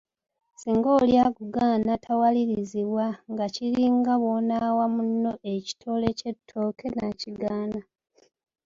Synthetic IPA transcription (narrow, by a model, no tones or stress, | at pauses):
siːŋɡo̞ːljaɡuɡaːnatʰawaliɾiziβwaŋɡaciɾiŋɡaβonawamunːo̞ʔe̞ci̥tʰo̞ːle̞ce̞tʰːo̞ːkʰe̞naciɡaːna